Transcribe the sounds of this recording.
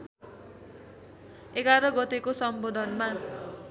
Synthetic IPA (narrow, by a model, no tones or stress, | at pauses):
eɡaɾʌɡʌt̪ekosʌmbod̪ʱʌnma